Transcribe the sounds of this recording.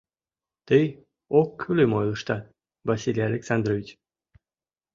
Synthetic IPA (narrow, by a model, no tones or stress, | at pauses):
t̪əj | okːʰylemojlˠəʃt̪ɑ | vasʲilʲijalʲeksand̪rovʲit͡ɕ